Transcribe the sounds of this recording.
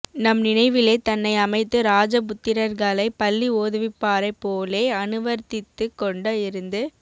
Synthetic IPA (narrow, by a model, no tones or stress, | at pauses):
nɐmnɪnɐɪʋɪleːt̪ɐnːɐɪɐmɐɪt̪ːɯɾaːd͡ʒɐp̬ʊt̪ːɪɾɐɾɣɐɭɐɪpɐlːioːðɯʋɪpːaːɾɐɪpːoːleːɐnɯʋɐɾt̪ɪt̪ːɯkːɔɳɖɐɪɾɯnd̪ɯ